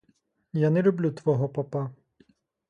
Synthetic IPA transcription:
janɛlʲʊblʲut̪ʋɔɦɔpɐpɑ

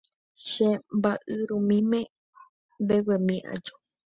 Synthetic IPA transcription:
ʃembaʔɨɾũmĩmẽ | mbewemĩʔa̰d͡ʒo

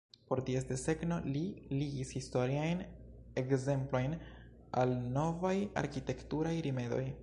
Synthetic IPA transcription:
po̞ɾtiesde̞se̞ɡno̞liliɡishisto̞ɾiajne̞kze̞mplo̞jn | alno̞vaja̰ɾkite̞ktuɾajɾime̞do̞j

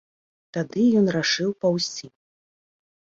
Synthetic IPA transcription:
t̪ad̪ɨjɔnraʂɨwpawsʲim

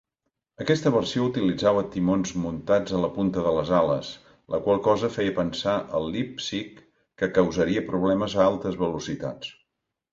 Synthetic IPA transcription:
əkɛst̪əβərsiout̪ilid͡zaβət̪imonzmunt̪ad͡zələpunt̪əðələzalə̰s | ləkwalˠkɔzəfɛjəpənsaʔəlˠːipsikː | əkəwzəɾiəpɾuβlɛməzəalˠt̪əzβəlusit̪a̰t͡s

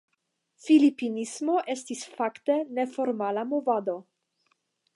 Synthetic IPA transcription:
filipinismo̞ʔe̞stisfakte̞ne̞fo̞ɾmalamovado̞

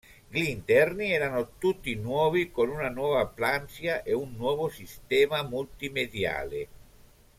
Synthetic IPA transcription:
ɡlint̪ɛrniɛːɾanot̪ut̪ːinwɔːvikonunanwɔːvaplansjaʔeunːwɔːvosist̪ɛːmamult̪imed̪ja̰ːle

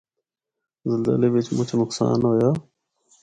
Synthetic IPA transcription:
zəlzə̰leʋɪt͡ʃmʊt͡ʃʰnʊksa̰ːnɦoːjoː

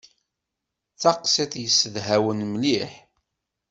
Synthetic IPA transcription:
θɑqseθjəsːəðɦæwənmliħ

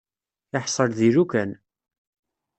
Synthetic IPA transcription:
əħsˤəɾðiɾukæn

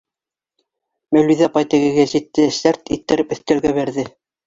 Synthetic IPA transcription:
mæwliðæpɑjt̪ɘ̆ɣɘ̆ɡæʑit̪ːɘʃæɾt̪it̪ːɘ̆ɾɘpɵ̆θt̪æ̆ɾɡæβæɾðɘ

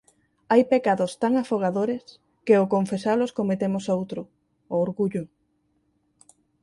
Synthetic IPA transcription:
ajpekaðost̪aŋafoɣ̞aðoɾes | keokoɱfesaloskomet̪emosowt̪ɾʊː | ɾɣuʎʊ

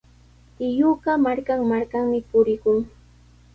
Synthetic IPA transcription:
ɪjuɢɑmaɾkaŋmaɾkaŋmɪpʊɾɪkʊŋ

